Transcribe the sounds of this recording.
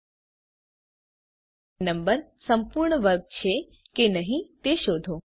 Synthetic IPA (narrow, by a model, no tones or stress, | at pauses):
nəmbəɾsəmpuɾɳəʋəɾk̚t͡ʃʰe | kenəɦĩt̪eʃod̪ʱo